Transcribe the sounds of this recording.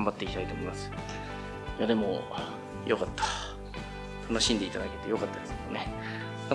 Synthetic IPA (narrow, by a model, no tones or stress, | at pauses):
mbat̪ːe̞ikʲi̥t̪ait̪oːmimasɨ̥ | jad̪e̞mo̞ | jo̞kat̪ːḁ | t̪ʰano̞ɕĩnd̪e̞it̪ad̪aket̪ejo̞kat̪ːad̪esɨked̪one̞